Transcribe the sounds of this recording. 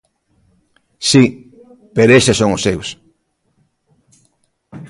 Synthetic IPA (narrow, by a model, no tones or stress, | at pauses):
si | peɾesʃesoŋʊsews